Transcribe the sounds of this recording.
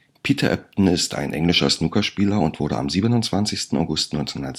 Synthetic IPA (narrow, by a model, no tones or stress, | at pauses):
pʰiːtʰɐʔɛ̰p̚tn̩ɪsta̰ɪnʔɛŋlɪʃɐ̰snuːkɐʃpiːlɐʊntv̥ʊɐɾə̰a̰mziːbənʊnt͡sv̥ant͡sɪçstn̩a̰ʊɡʊstnɔʏnt͡senhʊndɐt